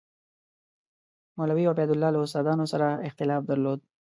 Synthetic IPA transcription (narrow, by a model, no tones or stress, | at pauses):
molawiabɛd̪ʊlːɑləʊst̪ɑd̪ɑnosaɾaɪxt̪ɪlɑfd̪əɾlod̪̚